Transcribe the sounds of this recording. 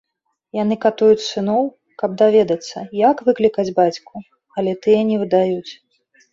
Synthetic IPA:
janɨkat̪ujut͡sʲsɨnɔw | kɐb̚d̪avʲɛd̪ɐt̪sːɐ̰jɐkvɨklʲikɐd͡zʲbat͡sʲku | ɐlʲɛt̪ɨjɐnʲɛvɨd̪ajut͡sʲ

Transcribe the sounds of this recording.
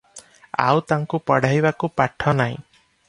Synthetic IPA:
a̰wt̪aŋkupɔɽ̤ajbakupaʈʰɔnaḭ̃

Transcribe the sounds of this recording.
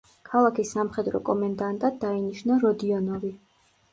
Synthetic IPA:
kʰalˠakʰisːamχɛd̪ɾɔ̰kʼɔmand̪ant̪ʼad̪ːainiʃnaɾɔd̪iɔnɔvi

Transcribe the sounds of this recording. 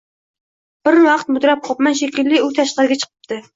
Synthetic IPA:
b̥ɪɾwɑqt̪mʊd̪ɾɛp̚qʰɑpmɛnʃekʲilːɪut̪ʰɛʃqəɾɨɡʲɛt͡ʃʰə̥qʰə̥p̚t̪ʰɨ

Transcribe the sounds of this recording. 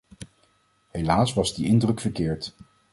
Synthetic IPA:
ɦejlaːsʋɑzdiʔɪndrɵkfəɹkɪːɹt

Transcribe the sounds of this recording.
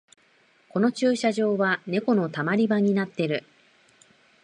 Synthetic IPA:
ko̞no̞t͡ɕɨːɕaʑo̞ːβane̞ko̞no̞t̪amaɾʲibaɲ̟inat̪ːe̞ɾɯ̟

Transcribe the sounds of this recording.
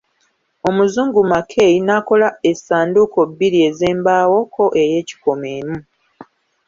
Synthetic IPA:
o̞muzuːŋɡumakʰe̞ːinaːko̞lae̞saːnduko̞bːiɾie̞zeːmbaːwo̞kʰo̞ʔe̞je̞ːci̥ko̞meːmu

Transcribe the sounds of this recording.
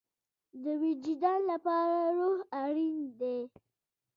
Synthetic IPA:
d̪əwid͡ʒid̪ɑnlapɑɾaɾohaɽind̪e

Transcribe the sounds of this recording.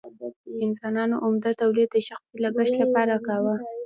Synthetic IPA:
əɪnsɑnɑnoʔʊmd̪at̪awlid̪̚d̪əʃaxsilaɡəʃt̪lapɑɾakawa

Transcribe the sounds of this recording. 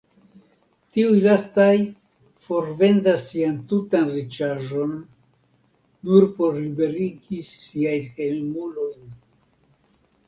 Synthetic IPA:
tiujlastaj | fo̞ɾve̞ndasːiantutanɾit͡ʃaʒo̞n | uɾpo̞ɾlibe̞ɾiɡissiajnhe̞lmulo̞jn

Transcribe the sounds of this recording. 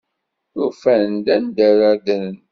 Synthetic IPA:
ʊfænənd̪ænd̪æɾaɾðənn

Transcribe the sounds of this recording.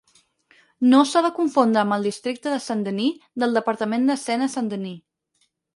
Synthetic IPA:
nosaðəkuɱfond̪ɾəːmbəlˠd̪ist̪ɾik̚t̪əðəsənd̪əniðəlˠd̪əpəɾt̪əmend̪əsɛnəsənd̪əni

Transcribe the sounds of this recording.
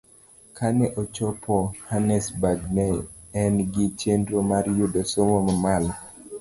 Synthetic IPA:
kʰanɛʔot͡ʃɔpʰɔhanɛsbaɡmɛːnɡɪt͡ʃendɾomaɾjudosomomamal

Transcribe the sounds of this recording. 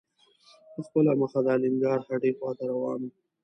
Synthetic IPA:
pəxpəlaməxad̪ɑːlɪŋɡɑːɾhaɖexwɑːt̪aɾawɑːn

